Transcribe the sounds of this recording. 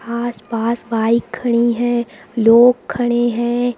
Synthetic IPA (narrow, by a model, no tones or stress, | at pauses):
aːsbaːsbaːikʰːəɽ̃iɦɛ̃ | loːkʰːɐɽ̃eɦɛ̃ː